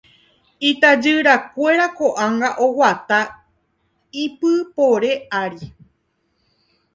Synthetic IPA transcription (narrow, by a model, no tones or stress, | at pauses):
it̪ad͡ʒɨɾakʷe̞ɾakoʔãŋɡaʔowat̪a | ipɨpoɾe̞aɾi